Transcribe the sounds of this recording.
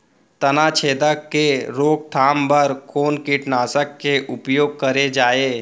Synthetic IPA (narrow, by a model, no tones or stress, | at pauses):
t̪ɐnaːt͡ʃʰeːd̪əkːeɾoːk̚ʈ̪ʰaːmbɐɾkʰoːnkɪʈnaːsəkːeʔʊpjoːɡ̚kɐɾed͡ʒaːeː